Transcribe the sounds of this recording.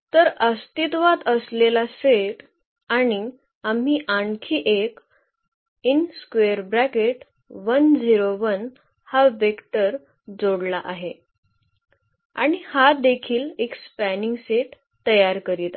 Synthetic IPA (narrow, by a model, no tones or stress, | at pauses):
t̪əɾəst̪it̪ʋat̪əslelaseʈ | aɽ̃i | am̤iːʔaɳkʰiːʔek | inskʋeəɾbɾækeʈ | ʋənd͡ziɾoʋən | haʋekʈəɾ | d͡zoɽlaʔaɦe | a̰ɽ̃ihad̪ekʰiːlekspæniŋɡseʈ | t̪ːəjaɾkəɾit̪a